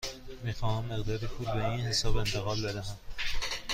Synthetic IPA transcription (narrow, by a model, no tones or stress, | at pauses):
miːxɒːhæmːeɣd̪ɒːɾepʰuːlbeiːnhesɒːbe̞nt̪ʰeɣɒːlbed̪æɦæm